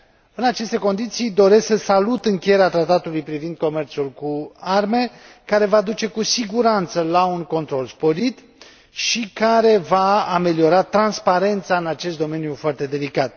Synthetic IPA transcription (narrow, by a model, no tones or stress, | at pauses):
ɨnat͡ʃe̞st̪e̞ko̞nd̪it̪sijd̪o̞ɾe̞skəsalut̪ɨŋkʲejeɾeat̪ɾat̪at̪ulujpɾivind̪̚ko̞me̞rt̪sulkuarme̞ | kaɾe̞vad̪ut͡ʃe̞kusiɡuɾant̪səlauŋko̞nt̪ɾo̞lspo̞ɾit̪ | ʃikaɾe̞vaːme̞lio̞ɾat̪ɾanspaɾe̞nt̪saɨnat͡ʃe̞st̪d̪o̞me̞njufoart̪e̞d̪e̞likat̪̚